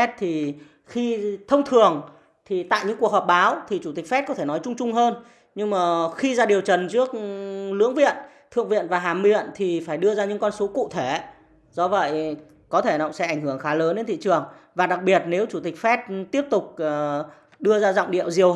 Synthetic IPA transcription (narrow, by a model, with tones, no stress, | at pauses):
ɛ˦˥t̚t̪ʰi˨˩ | xi˧t̪ʰə˧wŋ͡mt̪ʰɨ˨˩əŋ | t̪ʰi˨˩t̪a̰ː˧˨jɲɨ̰˧˥ŋku˨˩ək̚hɔː˨˩p̚ɓaː˨˦wt̪ʰi˨˩t͡ɕu˧˩t̪i˨˩k̟̚fɛ˦˥t̚kɔ˨˦t̪ʰe˧˩nɔ˨˦jt͡ɕʊ˧ŋ͡mt͡ɕʊ˧ŋ͡mɦəː˧n | ɲɨ˧ŋmaː˨˩xi˧zaː˧ɗi˨˩əwt͡ɕə˨˩nt͡ɕɨ˦˥ək̚lɨ̰˧˥əŋvḭ˧˨ən | t̪ʰɨ̰˧˨əŋvḭ˧˨nvaː˨˩ɦaː˨˩mmḭ˧˨ənt̪ʰi˨˩faː˧˩jɗɨ˧əzaː˧ɲɨ̰˧˥ŋkɔ˧nso˨˦kṵ˧˨t̪ʰe˧˩ | zɔ˧və̰˧˨j | kɔ˨˦t̪ʰe˧˩na̰˧˨ŋ͡msɛ̰˧˥ʔa˧˩jŋ̟hɨ˧˩əŋxaː˨˦ləː˨˦nɗe˨˧nt̪ʰḭ˧˨t͡ɕɨ˨˩əŋvaː˨˩ɗa˨˩k̚ɓi˨˩ət̚ne˨˦wt͡ɕu˧˩t̪ï˨˩k̟̚fɛ˦˥t̚t̪i˦˥əp̚t̪ʊ˨˩k͡p̚ː | ɗɨ˧əzaː˧zɔ̰˧˨wŋ͡mɗḭ˧˨əwzi˨˩əw